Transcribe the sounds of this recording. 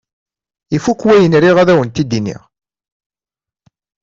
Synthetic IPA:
ifukːwæjənɾiʁæðæwənt̪id̪inḭʁ

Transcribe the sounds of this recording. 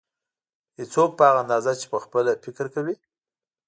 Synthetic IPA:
hit͡sok̚pəaɣanɑzat͡ʃe̥pəxpəlafɪkɾkawi

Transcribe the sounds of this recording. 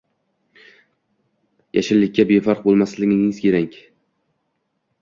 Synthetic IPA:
jʔaʃɪlːɪkʲːabefɑɾq̚bolˠmaslɪɡʲɪɪŋzkʲʰeɾaŋʲ

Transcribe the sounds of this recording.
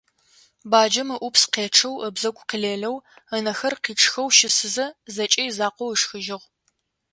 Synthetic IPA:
baːd͡ʒɐmɨʔʷʊpsqeːʈ͡ʂʰɐwəbzɐkʷʼqiɮeːɮɐwɐnɐxɐrqiːʈ͡ʂʰʼxɐwʃɪsɨzɐzɐt͡ʃʼɐjzaːqʷowiʂxɨʒɪʁ

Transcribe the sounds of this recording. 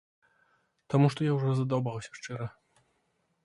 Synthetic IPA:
t̪amuʂt̪ɔjawʐɔzɐd̪abawsʲɐʂt͡ʂɛɾɐ

